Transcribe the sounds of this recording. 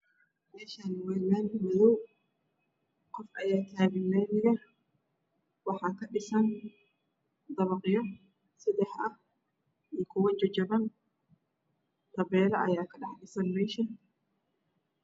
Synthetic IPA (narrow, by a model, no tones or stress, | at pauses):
mɛːʃanɪwɛːlaːnmɐðɔw | kʰɔfʔɐjaːt̪ʰaːβɪmɛnɪjɐ | wɑħɑːkɐɗɪsɐn | d̪ɐβɐqʼɪjɔ | sɪd̪ɛħʔɐh | ʔiːkʰʊwɐnd͡ʒɐd͡ʒɐbɐn | t̪ɐβɛːlɐʔɐjaːkʰɐɗɑħɗɪsɐnmɛːʃɐ